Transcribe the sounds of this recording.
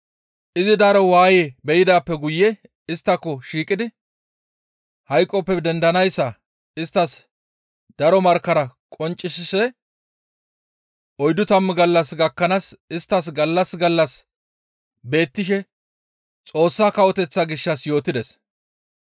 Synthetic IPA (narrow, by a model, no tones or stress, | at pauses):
ʔɪzɪd̪aɾɔwaːjebɛjɪd̪aːpːɛɡʊjːɛ | ɪst̪ːɐkːɔʃiːkʼɪd̪ɪ | hɐjkʼːɔpːɛd̪ɛnd̪ɐnɐjsːɐ | ɪst̪ːɐs | d̪̥ɐɾɔmɐɾkːɐɾɐkʼɔnt͡ʃʼːɪsɪsɛ | ʔɔjd̪ʊt̪ɐmːɡɐlːɐsɡɐkːɐnasɪst̪ːɐs̬ɡɐlːɐsɡɐlːɐs | be̞ːt̪ːɪʃ̬ɛ | t͡sʼo̞ːsːaːkɐwɔt̪ɛt͡sːaɡɪʃːɐsjo̞ːt̪ɪd̪ɛs